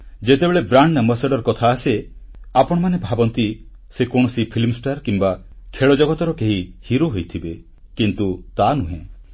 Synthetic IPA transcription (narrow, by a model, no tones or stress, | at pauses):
d͡ʒet̪ebeɭebɾaɳɖaməsaɖɔɾkɔt̪ʰaːseapɔɽ̃ɔmanebʱabɔnt̪i | sekoɳ̃ɔsipʰilmsʈaɾkimba | kʰeɭɔd͡ʒɔɡɔt̪ɔɾɔkeɦihiɾoɦojt̪ʰibe | kint̪ut̪anuɦḛ̃